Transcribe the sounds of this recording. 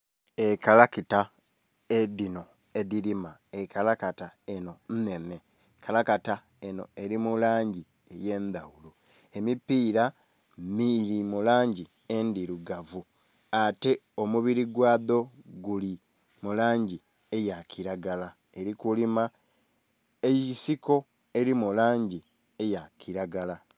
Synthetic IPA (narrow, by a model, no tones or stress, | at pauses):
ekalakita | edino̞ | ediɾimaekalakatae̞no̞n̩ne̞ne̞ | kʰalakata | e̞no̞̰e̞ɾimulaːɲɟi | e̞je̞ːnd̪awulu | e̞mipiːɾa | miɾimulaːɲɟi | e̞ndiɾuɡavu | ate̞o̞muβiɾiɡwaːðo̞ɡuli | mulaːɲɟi | e̞jakiɾaɡala | e̞ɾikulima | ejisiko̞ | e̞ɾimulaːɲɟi | e̞jakiɾaɡala